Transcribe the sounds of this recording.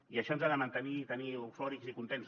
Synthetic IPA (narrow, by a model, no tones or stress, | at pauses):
iaʃɔnzaðəmant̪əniːt̪əniufɔɾikzikunt̪ens